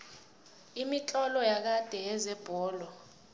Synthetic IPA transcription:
imit͡ɬʼɔlɔjak̬ad̥ʱɛjɛzɛb̥ʱɔːlɔ

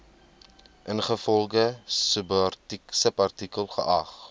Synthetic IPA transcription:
ʔənχəfɔlˠɡəsəbsəpɐrtikəlˠχəʔɐχ

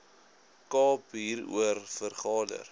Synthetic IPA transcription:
kɑːpɦiːrṵərfərχɑːdə̰r

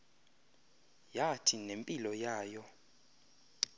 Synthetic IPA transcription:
jatʰinempʼilɔjaːjɔ

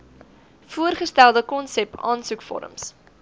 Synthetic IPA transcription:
fuərχəstælˠdəkɔnsɛpɑːnsukfɔ̰ɾə̰ms

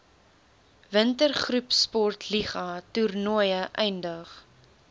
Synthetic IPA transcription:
vəntərχrupspɔrtʰliχɐturnuəjəʔɛjndəχ

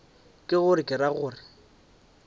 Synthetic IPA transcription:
kʼɪɣʊrɪkʼɪɾaɣʊːrɪ

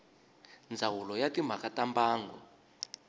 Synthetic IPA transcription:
nd͡zʱawulɔjatim̤akatambaːŋɡɔ

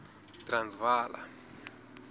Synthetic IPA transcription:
tʼransvaːla̰

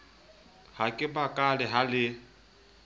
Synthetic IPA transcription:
hakʼɪbakʼalɪɦalɪ

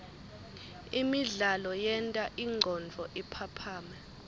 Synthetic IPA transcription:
imiɮalɔjɛntʼaʔiŋ͡ǃʱɔnd͡vʱɔʔipʰapʰaːmɛ

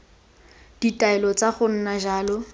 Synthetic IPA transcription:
d̥itʼaɛlɔt͡saχʊn̩naʒaːlɔ

